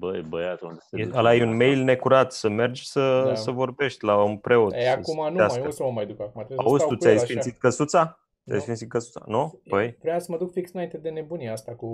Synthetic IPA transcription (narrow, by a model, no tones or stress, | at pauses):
bəjbəjat̪und̪esəlajunme̞jlne̞kuɾat̪səme̞rd͡ʒsəsəvo̞rbe̞ʃt̪ʲlaunpɾe̞o̞t̪eaumanasasəməmajd̪ukakumat̪aust̪ut̪ʲajsfinsit̪̚kəsut̪sa | t͡s̪ʲa̰jsfint̪sit̪̚kəsut̪sa̰nub̥əjvɾeasəməd̪ukfiksɨnaint̪ed̪e̞ne̞buniast̪aku